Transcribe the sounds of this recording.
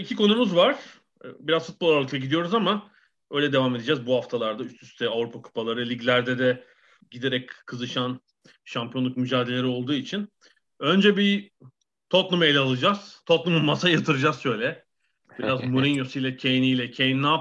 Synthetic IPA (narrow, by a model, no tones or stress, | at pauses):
icʰiko̞numuzvaɾ̥ | biɾazfut̪̚bolˠoɾalˠɯk̪ʰaɟid̪ijo̞ɾuzama | ø̞jlʲɛd̪e̞vame̞d̪ed͡ʒɛzbuɦaft̪ʰalˠaɾd̪ayst̪ʰyst̪ʰɛavɾupʰakʰu̥pʰalˠaɾɯlʲiɟlʲæɾd̪ɛd̪ɛ | ɟid̪e̞ɾɛckʰːɯzɯʃan | ʃampʰijo̞nˠuk̚myd͡ʒaːd̪elʲe̞ɾio̞lˠd̪uːit͡ʃʰin | ø̞nd͡ʒɛbi | t̪ʰo̞t̪lˠumejlʲɛalˠɯd͡ʒaz̥t̪ʰo̞t̪lˠumumasajat̪ʰɯɾɯd͡ʒazʃø̞jlʲɛ | biɾazmuɾinjo̞sijlʲɛcʰejnijlʲɛcʰejnːa